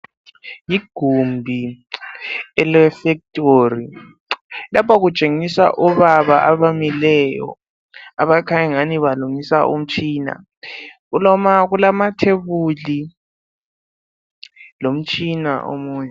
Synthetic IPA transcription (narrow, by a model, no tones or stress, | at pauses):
jiɡ̥ʱumbʱi | ɛlɛfɛk̚tʼoːri | lapʰaɣut͡ʃʼeŋisa̰ʔuβaβaʔaβamilɛjɔ̰ | aβakʰaɲaŋaniβaluŋisa̰ʔṵm̩t͡ʃʰʼiːna̰ | ɣulɔmaɣulamatʰeβuli | lom̩t͡ʃʼina̰ʔo̰muːɲɛ